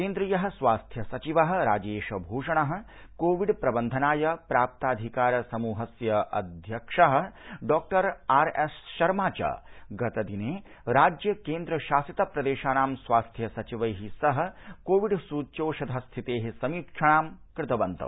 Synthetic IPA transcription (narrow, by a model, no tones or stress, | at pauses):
keːnd̪ɾijɐɦɐ̆sʋaːst̪ʰjɐsɐt͡ʃiʋɐɦɐ̆ɾaːd͡ʒeːʂɐbʱuːʂɐɳɐɦɐ̆ | koːʋiɖpɾɐbɐnd̪ʱɐnaːjɐpɾaːp̚t̪aːd̪ʱikaːɾɐsɐmuːɦɐsjɐʔɐ̰d̪ʱjɐkʂɐɦɐ̆ɖɔːk̚ʈɐɾaːɾesʃɐɾmaːt͡ʃɐ̰ɡɐt̪ɐd̪ineː | ɾaːd͡ʒjɐkeːnd̪ɾɐʃaːsit̪ɐpɾɐd̪eːʃaːnaːmsʋaːst̪ʰjɐsɐt͡ʃiʋɐjɦisɐɦɐ̆koːʋiɖsuːt͡ʃoːʃɐd̪ʱɐst̪ʰit̪eːɦesɐmiːkʂʰɐɳaːmkɾɪt̪ɐʋɐnt̪ɐ̰